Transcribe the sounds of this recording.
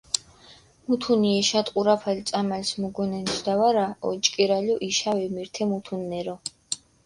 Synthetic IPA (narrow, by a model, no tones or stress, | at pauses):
mut̪ʰuniɛʃat̪ʼqʼuɾapʰalt̪sʼamalsmuɡɔnɛnt̪ʰd̪̥awaɾaɔ̰t͡ʃʼkʼiɾalɔʔiʃawɛmiɾt̪ʰɛmut̪ʰunːɛɾɔ